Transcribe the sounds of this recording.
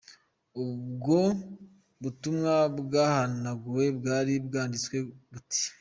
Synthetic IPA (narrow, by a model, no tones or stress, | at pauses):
uβubɡo̞ | βutumŋabɡaːhanaɡuwe̞bɡaːɾibɡaːndit͡skwe̞βuti̥